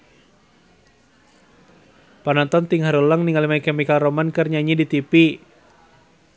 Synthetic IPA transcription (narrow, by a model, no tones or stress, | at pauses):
panant̪ɔnt̪iŋɦaɾuləŋniŋalimakɛmikaromankərɲaɲidit̪ipi